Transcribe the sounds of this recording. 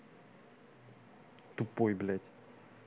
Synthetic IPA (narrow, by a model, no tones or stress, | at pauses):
t̪upojblɛt̪ʲ